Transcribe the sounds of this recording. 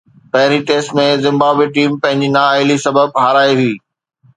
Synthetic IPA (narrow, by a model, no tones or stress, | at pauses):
pɐɦɪɾiʈeːsʈmẽzɪ̃mbaːbweʈiːmpɐ̃ɦɪ̃ɲd͡ʑinaːaːɪlisɐbəb̚ɦaːɾaːiɦʊiː